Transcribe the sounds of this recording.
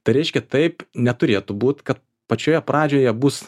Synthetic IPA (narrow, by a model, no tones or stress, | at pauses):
t̪ɐɪɾʲɛɪʃʲkʲɛt̪ɐɪpnʲɛt̪ʊɾʲeːt̪ʊbuːt̪kɐt̪̚ | pɐt͡ʃʲoːjɛpɾɑːd͡ʒʲoːjɛbuːs